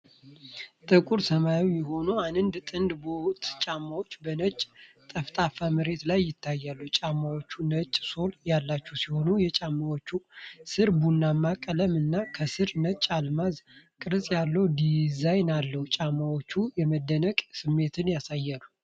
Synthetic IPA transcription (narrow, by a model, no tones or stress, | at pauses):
t̪ʼɨkʼuɾsəmajijɛɦo̞nuanɨnd̪t̪ʼɨnd̪bo̞t̪t͡ʃʼamːawo̞t͡ʃːbənət͡ʃʼt̪ʼəft̪ʼafamɨɾe̞t̪lajːɪt̪ʰːajːalːut͡ʃʼamːawot͡ʃːunət͡ʃʼːso̞ljalːat͡ʃːɛwsiho̞nujɛt͡ʃʼamːawot͡ʃːusɨɾbunːamːakʼːələmɨnːakʰəsɨɾnət͡ʃʼalmazkʼɨɾsʼjalːəwd̪izajnalːəhut͡ʃʼamːawot͡ʃːujɛməd̪ːənəkʼsɨmːe̞t̪ʰɨnjasajːalːu